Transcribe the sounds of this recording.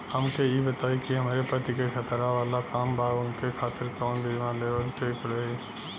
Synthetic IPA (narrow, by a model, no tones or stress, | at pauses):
həmkejibət̪aːikiɦɐmaːɾepət̪ikekʰət̪ɾaʋaːlakaːmbʱaːʊnkekʰaːt̪ɪɾkɔːnb̪ʱiʋãleːʋəlt̪eːkɽoe